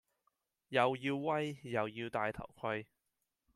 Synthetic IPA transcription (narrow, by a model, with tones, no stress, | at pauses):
jɐ˨wjiː˧wwɐ˥jːɐ˨wjiː˧wt̪aː˧jt̪ʰɐ̰˨˩wkʰɐ˧j